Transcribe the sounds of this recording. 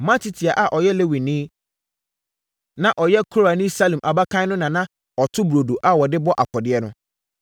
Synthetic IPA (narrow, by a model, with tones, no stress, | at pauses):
mã˦tʰi˦tʰi˨a˨ʔa˨ʔɔ˨jɛ˦le˦wi˨nĩː˦ | nã˨ʔɔ˨jɛ˦kʰo˦ɾa˨nĩ˦sa˦lĩ˨mʔa˨ba˦kʰã˦nʊ̃˦nã˨nã˦ | ɔ˨tʰʊ˦bu˨ɾo˨do˨ʔa˦wɔ˨dɪ˦bɔ˦ʔa˨kʰɔ˨dɪ˦ɛ˦nʊ̃˦